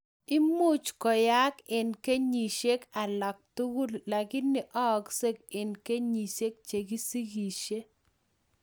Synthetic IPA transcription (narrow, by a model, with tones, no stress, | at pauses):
ɪ˦mu˦t͡ʃkɔ˨ja˦kɪ˨nke˦ɲi˨ʃe˦ka˨lɔ˨k̚t̪u˦ɡu˦lla˨ɡɪ˦nːɪ˨ʔɔ˦˨kse˦kɪ˨nke˦ɲi˨se˦k̚t͡ʃe˨ɡi˦si˦ɡi˨ʃe˦